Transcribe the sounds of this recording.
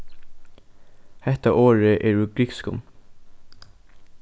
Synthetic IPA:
hɛt̪ɑʔoːɹəʔeːɹʉːɡɾɪkskʊ̰m

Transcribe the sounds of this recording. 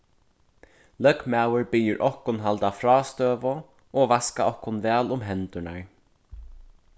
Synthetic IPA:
lœkmawəɹpɪjɪɹʔɔhkʊnɦalt̪afɾɔːst̪øːvʊ | ɔvaskaɔhkʊnvɛːlʊmɦɛnt̪ʊɳaɹ

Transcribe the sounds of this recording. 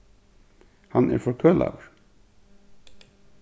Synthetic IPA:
hanɛ̰ɹfɔkʰœːla̰ːwəɹ̥

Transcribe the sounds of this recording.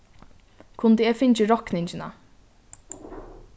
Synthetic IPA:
kʰʊnd̪əɛːfɪnt͡ʃɪɾɔknɪɲt͡ʃɪna̰

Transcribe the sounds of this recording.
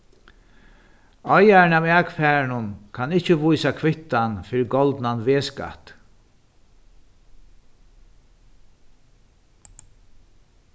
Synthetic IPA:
ɔjaɹɪnaːwɛːkfɛːɹnʊnkʰanɪht͡ʃəvujsakʰʋɪht̪anfɪɾɪɾɡɔlt̪nanʋeːska̰t̪

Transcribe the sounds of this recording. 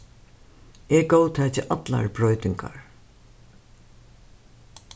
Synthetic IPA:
ɛɹɡowt̪ʰɛːcɪʔat̪la̰ɹbɹɔjt̪ɪŋkʰa̰ɹ

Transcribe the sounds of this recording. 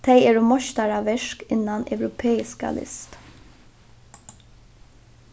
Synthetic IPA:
t̪ʰeɪɛːɹomɔʃt̪aɾɑʋɛʂkɪnɑnœ̰ʉɾʊpʰeːɪska̰lʔɪ̰st̪

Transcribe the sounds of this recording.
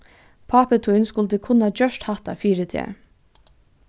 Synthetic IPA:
pʰɑːpət̪ʰunskʊlt̪əkʰʊnɑd͡ʒœʃʈhɑt̪a̰fiːɾət̪ʰɛ̰

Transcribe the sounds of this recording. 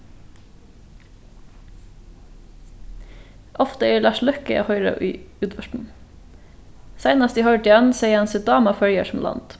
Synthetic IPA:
ʔɔft̪əeːlɑːʃlœkəɑ̰hœʏɾɑ̰ʔyːʉːt̪ʋœʃʈn̩ | sæɪnɑst̪iːhœʏʈɪjɛnseɪəɑnsɛd̪ɑːmɑfœljəʃm̩lʔɑ̰nd̪̥

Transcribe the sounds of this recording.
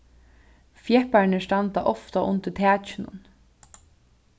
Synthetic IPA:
fjɛhpaɾɳɪʂt̪ant̪aʔɔft̪aʔʊnt̪ɪt̪ʰæːt͡ʃɪnʊ̰n

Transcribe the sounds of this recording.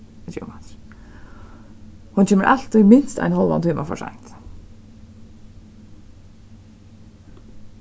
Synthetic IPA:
d͡ʒṵmat̪ | hʊnt͡ɕʰeːməɾʔalt̪ɪmɪnst̪a̰jnhɔlˠʋa̰nt̪ʰyːmafɔ̰ʂa̰ŋt̪

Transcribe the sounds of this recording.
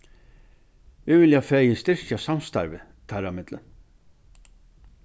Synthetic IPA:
vɪvɪljafɛjɪst̪ɪr̥çasamst̪a̰ɾvɪ | t̪ʰaɾamɪt̪lə̰n

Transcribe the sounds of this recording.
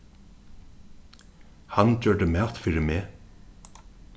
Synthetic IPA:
hant͡ɕœːɖəmæːlt̪fɪːɹɪmeː

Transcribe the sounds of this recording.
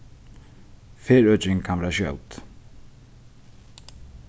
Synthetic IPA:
feːɾœt͡ʃɪŋkʰanʋɛːɾaɕjœ̰wt̪

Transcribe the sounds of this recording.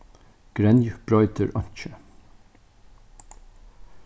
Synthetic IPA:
ɡ̥ɾɛnjb̥ɹɔʏt̪əɹʔɔɲ̥t͡ʃə

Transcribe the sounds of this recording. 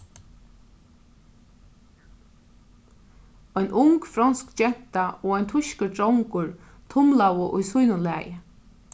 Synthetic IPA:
ɔjnʔʊŋkfɾanskt͡ʃɛn̥t̪aɔːɔjnt̪ʰʊʃkəɾtɾɔwŋkʊɹ | t̪ʰʊmlawʊʔʊ̰jsujnʊnlæ̰ːjɪ

